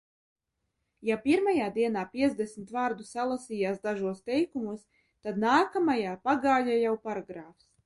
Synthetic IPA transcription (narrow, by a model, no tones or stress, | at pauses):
japʲiɾmajaːd̪iɛnaːpʲiɛt̪zd̪esmit̪vaːɾd̪usalˠasiːjaːsd̪aʒuɔst̪ɛjkumus | t̪ad̪naːkamajaːpaɡaːʎaːjawpaɾaɡɾaːfs